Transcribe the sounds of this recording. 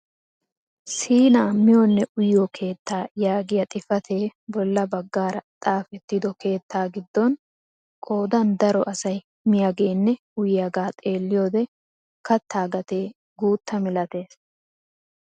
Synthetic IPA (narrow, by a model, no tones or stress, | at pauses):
siːnaːmɪjonːɛʔʊjjokʰe̞ːt̪ːaːjaːɡɪjɐt̪ʼɪfɐt̪ʰe̞ːbɔlːɐbɐɡːaːɾɐt̪ʼaːfɛt̪ːɪd̪ɔke̞ːt̪ːaːɡɪd̪ːɔn | kʼo̞ːd̪ɐnd̪ɐɾɔʔɐsɐj | mɪjaɡe̞ːnːɛ | ʊjɪjɐɡaːt̪ʼe̞ːlːɪjo̞ːd̪ɛ | kɐt̪ʰːaːɡɐt̪eː | ɡuːt̪ːɐmɪlɐt̪e̞ːs